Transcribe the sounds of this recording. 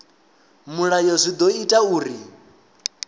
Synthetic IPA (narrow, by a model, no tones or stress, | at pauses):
muɺajɔzʷid̪ɔitʼauːɾi